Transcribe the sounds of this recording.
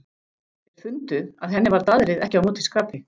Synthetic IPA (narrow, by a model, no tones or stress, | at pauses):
ɛɾ̥fʏnt̪ʏaðɦɛnːɪvaɾt̪aðɾɪðɛhcɪawmuːt̪ʰɪskaːpɪ